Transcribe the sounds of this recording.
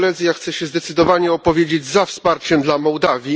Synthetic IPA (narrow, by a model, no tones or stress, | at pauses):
lɛd̪zʲjaxt̪sɛɕɛzd̪ɛt̪sɘd̪ɔvaɲɛɔpɔvʲjed͡ʑed͡ʑzafspaɾt͡ɕɛmd̪lamɔwd̪avʲji